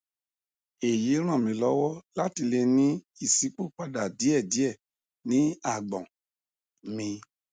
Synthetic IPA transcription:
e˨je˨˦ɾ̃ã˦˨mĩ˨˦lɔ˦wɔ˦la˦ti˧le˧nĩ˦ | i˦˨si˨˦k͡po˦˨k͡pa˧da˨di˨˦ɛ˦˨di˨˦ɛ˦˨ | nĩ˨˦a˦˨ɡ͡bɔ̃˨ | mĩ˧

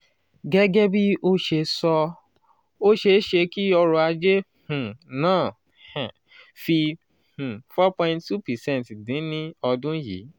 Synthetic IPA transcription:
ɡɛ˦ɡɛ˦bi˦o˦ʃe˧sɔ˧ | o˦ʃe˧˦ʃe˧ki˦ɔ˧ɾɔ˧a˧d͡ʒe˦ | h̩˨nãː˦˨ | hã˨ | fi˧ | h̩˨fɔ˦pɔ̃˧ĩ˧nttu˦pɛ˨sɛ̃˦˨n˨tdĩ˨˦nĩ˦ɔ˧dũ˦jḭ˨˦

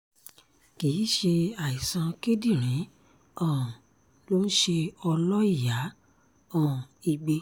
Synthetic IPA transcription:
ki˨˦ʃe˧a˨i˨sã˧ke˦di˦˨ɾ̃ĩ˨˦ | ɔ̃˨ | lo˦n̩˦ʃe˧ɔ˧lɔ˦i˦˨ja˨˦ | ɔ̃˦˨i˧˨ɡ͡be˧

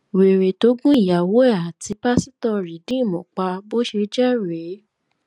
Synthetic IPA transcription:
we˨ɾe˨to˨˦ɡũ˦i˦˨ja˨wo˦ɛ˦˨a˨ti˧˦pa˦si˦tɔ˦˧ɾi˨dĩ˦˨mɔ̃˨k͡pa˧bo˦ʃe˧d͡ʒɛ˦ɾe˨˦

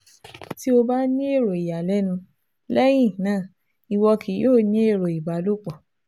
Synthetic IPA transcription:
ti˦o˧ba˦nĩ˦e˦˨ɾo˨i˨ja˨lɛ˦nũ˧ | lɛ˦j̃ĩ˦˨nãː˦˨ | i˨wɔ˧kʰi˨˦joː˦˨nĩ˦e˦˨ɾo˨i˨ba˨˦lo˦k͡pɔ˨

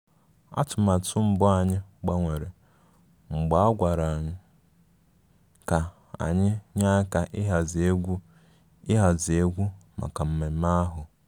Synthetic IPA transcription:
a̰˦tʊ˨ma˨tʰʊ˦m̩˨bʊ˦a˨ɲɪ˦ɡ͡ba˦ŋʷe˨ɾe˨ | ŋ͡m̩˨ɡ͡ba˦a˦ɡʷa˨ɾa˨a˨ɲɪ˦ | ka˨ | a̰˨ɲɪ˦ɲa˦ka˨ʔɪ˦ɦa˨ze˦ɡʷu˦ | ɪ˦ɦa˨zi˨e˦ɡʷu˦ma̰˨ka˨m̩˦me˨˦ma˦ɦʊ˨

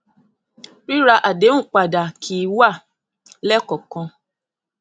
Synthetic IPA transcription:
ɾi˦ɾa˧ʔa˨dẽ˨˦ũ˦˨k͡pa˨da˨kʰi˨˦wa˦˨ | lɛ˦kɔ˨kɔ̃˧

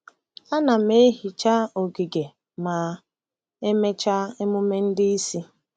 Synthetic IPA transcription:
a˦na˨me˦ɦi˨t͡ʃa˦o˨ɡi˨ɡe˨ | ma˨ | e˦me˦t͡ʃa˦e˦mʊ˦me˦n̩˦dɪ˦i˦si˦

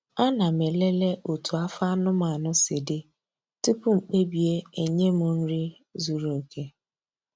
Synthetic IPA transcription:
a˦na˨me˨le˦le˦ʔo˨tu˨a˦fa˦nʊ˦ma˨nʊ˦sɪ˨dɪ˦ | tu˦pu˦ŋ͡m̩˨k͡pe˦bi˨e˦e˨ɲe˦mʊ˨n̩˦ɾi˦ | zu˨ɾo˨kʰe˦

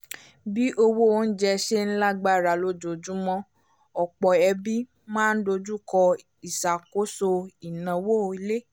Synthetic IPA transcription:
bi˦ʔo˧wo˦o˦n̩˦d͡ʒɛ˧ʃe˦n̩˦la˦ɡ͡ba˦˨ɾa˨lo˦d͡ʒo˨d͡ʒu˦mɔ̃˦ | ɔ˨k͡pɔ˨ɛ˧bi˦ | mãː˦n̩˦do˧d͡ʒu˦kɔ˧ | i˨sa˨ko˨˦so˧i˨nã˨wo˦˧i˧le˦

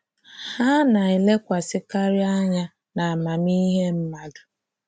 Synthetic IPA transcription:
ha˦na˨i˨le˦kʷa˨sɪ˦ka˦ɾɪ˦a˦ɲa˦ | na˨a˨ma˨mi˦ɦe˦m̩˦ma˦dʊ̥˨

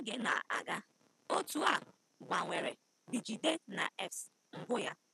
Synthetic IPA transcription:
ɡe˨na̰˨a̰˨ɡa˦ | o˦tu˨˦a˨ | ɡ͡ba˨ŋʷe˨ɾḛ˨ | bi˨d͡ʒi˨de˦na̰˨ʔɛ˦fs | ŋ̩˨ɡʊ˦ja˦

